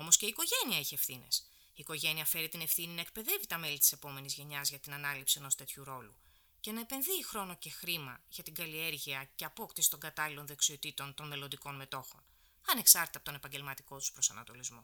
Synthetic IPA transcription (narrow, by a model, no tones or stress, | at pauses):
o̞mo̞sceiːko̞ʝe̞niɐiçeefθines | iːko̞ʝe̞niɐfe̞ɾit̪ine̞fθininɐe̞k̚pe̞ðe̞vit̪ɐme̞lit̪i̥se̞po̞me̞nizʝe̞ɲɐzʝɐt̪inɐnɐlipsieno̞st̪e̞t̪çuɾo̞lṵ | ce̞nɐepe̞nðixɾo̞no̞ce̞xɾimɐʝɐt̪iŋɡɐlie̞ɾʝiɐce̞ɐpo̞kt̪isi̥t̪o̞ŋɡɐt̪ɐlilo̞nðe̞ksio̞t̪it̪o̞nt̪o̞nme̞lo̞nd̪iko̞nme̞t̪o̞xo̞̰n | ɐne̞ksɐɾt̪i̥t̪ɐpot̪o̞ne̞pɐɲɟe̞lmɐt̪i̥ko̞t̪u̥spɾo̞sɐ̰nɐ̰t̪o̞lizmo